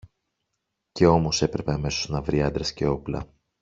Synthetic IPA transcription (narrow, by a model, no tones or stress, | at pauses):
ce̞o̞mo̞se̞pɾe̞pe̞ɐme̞so̞znɐvɾiɐnd̪ɾesce̞o̞plɐ̰